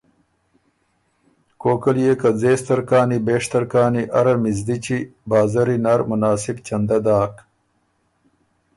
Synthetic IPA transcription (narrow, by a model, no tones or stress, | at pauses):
koːkɐljeːkɐzeːst̪ɐɾkaːnibeːʂt̪ɐɾkaːniʔɐɾɐmizd̪it͡ɕibaːzɐɾinaɾmʊnaːsibt͡ʃɐnd̪ɐd̪aːk